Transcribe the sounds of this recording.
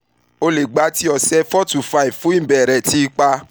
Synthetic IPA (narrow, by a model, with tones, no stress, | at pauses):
o˧le˨ɡ͡ba˨˦ti˦ɔ˧sɛ˧fɔ˦tu˨fa˦i˨fũ˨˦ĩ˦˨bɛ˨ɾɛ˨ti˧˦˧k͡pa˧